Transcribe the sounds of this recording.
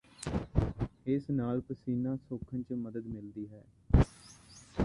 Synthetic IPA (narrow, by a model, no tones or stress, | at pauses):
ɪsnaːlpəsiːnaːsoːkʰənt͡ʃməd̪əd̪mɪld̪iːɦɛː